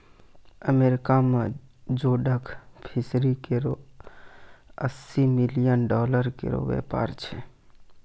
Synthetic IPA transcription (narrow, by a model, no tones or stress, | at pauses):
əmeɾikamed͡ʒoɖəkʰpʰisɾikeɾo | əsːimilijənɖɔləɾkḛɾo̰ʋḛpa̰ɾt͡ʃʰɛ